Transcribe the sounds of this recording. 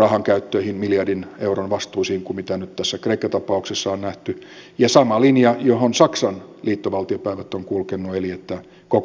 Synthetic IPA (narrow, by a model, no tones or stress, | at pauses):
rɑhɑŋkæyt̪ːøihinmiljɑrdineuronʋɑst̪uːsihːŋkumit̪ænyt̪t̪æsːækreikːɑt̪ɑpɑuksesːɑonnæht̪y | jɑsɑmɑlinjɑjohonsɑksɑnliːt̪ːoʋɑlt̪iopæiʋæt̪ːoŋkulkenːuelijet̪ːæ | kok